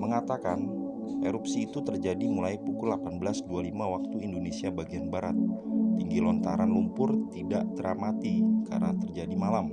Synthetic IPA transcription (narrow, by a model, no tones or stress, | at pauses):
məŋat̪akan | ʔeɾupsiːt̪ut̪ərd͡ʒadimulajpukʊlapanbəlasdualimawak̚t̪uindonesiabaɡianbaɾat̪̚ːiŋɡilɔnt̪aɾanlumpʊrt̪idaʔt̪əɾamat̪ika̰rnat̪ərd͡ʒadimalam